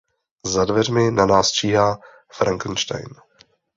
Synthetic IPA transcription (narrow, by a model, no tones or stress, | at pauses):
zadvɛrmɪnanaːst͡ʃiːɦaː | fɾʔaŋkn̩ʃt̪a̰jn